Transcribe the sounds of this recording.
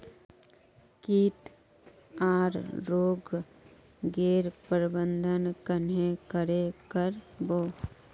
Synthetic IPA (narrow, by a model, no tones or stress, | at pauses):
kiːʈ̪ | aːɾɾoːɡ | ɡeːɾpəɾbənd̪ʱənkənekəɾekəɾboː